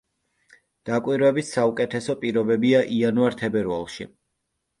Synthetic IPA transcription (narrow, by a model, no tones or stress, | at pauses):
d̪̥akʼwiɾvɛbissaukʼɛt̪ʰɛsɔpʼiɾɔbɛbiaʔianuaɾt̪ʰɛbɛɾva̰lˠʃḭ